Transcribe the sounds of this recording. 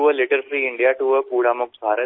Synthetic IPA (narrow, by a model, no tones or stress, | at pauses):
uʋəlɪʈəɾfɾiːɪ̃ɳɖijaʈuːʋəpuːɽaːmʊk̚t̪baːɾə